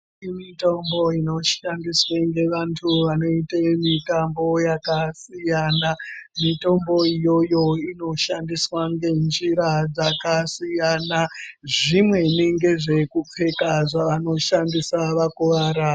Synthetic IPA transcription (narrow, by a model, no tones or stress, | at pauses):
imito̞mbo̞ino̞ʃandisweŋɡe̞ʋantʰuʋano̞itemitambo̞jakasijanamito̞mbo̞ijo̞jo̞ino̞ʃandiswaŋɡe̞nd͡ʒiɾad͡zakasijanaʐimwe̞neŋɡe̞ʐe̞kup͡fe̞kaʐaʋano̞ʃandisaʋakuʋaːɾa